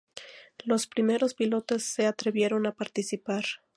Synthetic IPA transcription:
lo̞spɾime̞ɾo̞spilo̞t̪e̞sːe̞at̪ɾe̞βje̞ɾo̞napaɾt̪isipaɾ

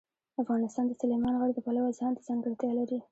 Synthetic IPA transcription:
afɣɑnɪst̪ɑnd̪əsɑlɪmɑnɣəɽd̪əpalawazhɑnt̪azɑŋɡəɽt̪jɑlaɾi

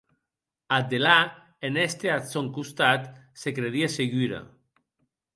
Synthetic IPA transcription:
ad̪ela | enɛst̪eat̪soŋkust̪at̪sekɾeðieseɣiɾa̰

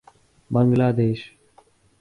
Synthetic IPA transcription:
bəŋɡlaːd̪eːʃ

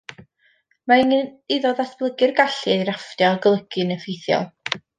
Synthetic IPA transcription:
mainɪðɔðasb̥lˠəɡɨrɡaɬɨeɾaftjɔɡlˠəɡ̥ɨnəfejθjɔ̰lˠ

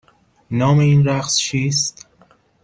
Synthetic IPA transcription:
nɒːmeiːnɾæqst͡ʃʰiːst̪

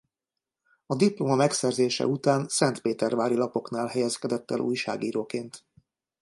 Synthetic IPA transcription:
ɒd̪iplomɒmɛksɛrzeːʃɛ̰ut̪aːnsɛnt̪peːt̪ɛrvaːɾilɒpo̞knaːlɦɛjɛskɛd̪ɛt̪ːɛ̰lʔṵːjʃa̰ːɡiːɾoːkeːnt̪

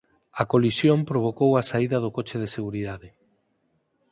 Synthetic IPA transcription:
ɐkolisjompɾoβ̞okowɐsaiðɐðokot͡ʃeðeseɣuɾiðaðɪ

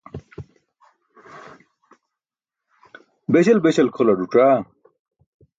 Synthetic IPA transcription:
beɕelbeɕɐlkʰolɐɖuʈ͡ʂa

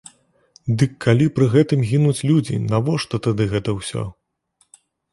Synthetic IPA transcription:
d̪ɨkʰːalʲipɾɨɣɛt̪ɨmɣʲinut͡sʲlʲud͡zʲḭnavɔʂt̪ɔt̪ad̪ɨɣɛt̪ɐwsʲɔ̰

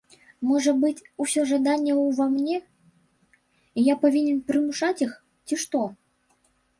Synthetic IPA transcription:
mɔʐɐbɨt͡sʲusʲɔʐad̪anʲːɛwvamnʲɛ | ijapavʲinʲɛnpɾɨmuʂat͡sʲix | t͡sʲiʂt̪ɔ

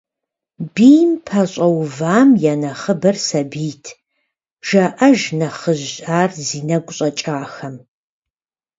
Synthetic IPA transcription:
biːmpʰɐɕʼɐwvaːmjaːnɐχəbɐrsɐbiːtʰ | ʒ̥ɐʔɐʒnɐχəʑaːrziːnɐɡʷʊɕʼɐt͡ʃʼaːxɐm

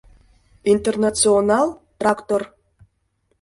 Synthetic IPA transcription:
int̪ernat̪sɨonɑlˠt̪rakt̪or

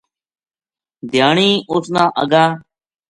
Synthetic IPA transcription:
d̪ʱjaːɳiːʔʊsnãːʔə̰ɡaː

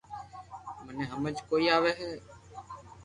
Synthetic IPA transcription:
mənẽːɦəməd͡ʒkoːiːaːʋeːɦɛː

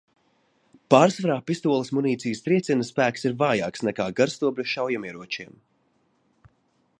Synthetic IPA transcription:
paːɾsvaɾaːpist̪uɔlˠismuniːt̪sijst̪ɾiɛt̪sʲinəspæːksiɾvaːjaːksnɛkaːɡaɾst̪uɔbɾuʃawjamiɛɾuɔt͡ʃiɛm

